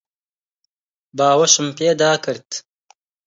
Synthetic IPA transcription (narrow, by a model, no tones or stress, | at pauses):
baːwɐʃɨmpeːd̪aːkɨɾt̪